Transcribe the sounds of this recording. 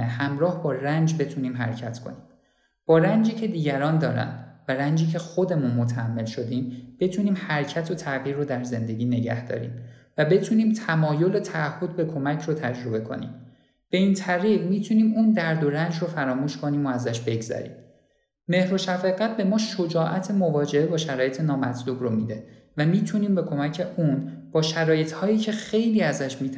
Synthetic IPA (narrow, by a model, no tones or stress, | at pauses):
hæmɾɒːhbɒːrænd͡ʒbe̞t̪ʰuːniːmɦæ̰ɾecʰæt̪ʰkʰo̰niːm | b̥ɒːɾænd͡ʒiːcʰe̞d̪iːɟæɾɒːnd̪ɒːɾæ̰nd̪væɾænd͡ʒiːcʰe̞xo̞d̪e̞munmot̪ʰææmːe̞lʃo̞d̪iːmb̥e̞t̪ʰuːniːmhæɾcʰæt̪ʰo̞t̪ʰæɣiːɾːod̪æɾze̞nd̪e̞ɟiːne̞ɟæ̰hd̪ɒ̰ːɾḭːmvæbe̞t̪ʰuːniːmt̪ʰæmɒːjo̞let̪ʰæʔːhːo̞d̪̚be̞kʰo̞mæcʰrot̪ʰæd͡ʒɾo̞be̞kʰo̞̰nḭːm | b̥e̞iːnt̪ʰæɾiːɢmiːt̪ʰuniːmuːnd̪æɾd̪o̞ɾænd͡ʒrofæɾɒːmuːʃko̞niːmo̞æzæʃbe̞ɡzæ̰ɾḭːm | me̞hɾo̞ʃæfeɣæt̪̚be̞mɒːʃo̞d͡ʒɒːʔæt̪ʰe̞movɒːd͡ʒe̞ebɒːʃæɾɒːje̞t̪ʰe̞nɒːmæt̪ʰluːbromiːd̪e̞ | væmiːt̪ʰuniːmbe̞kʰo̞mæcʰe̞ʔuːnb̥ɒːʃæɾɒːje̞t̪ʰhɒːjiːcʰe̞xe̞jliːæzæʃmiːt̪ʰ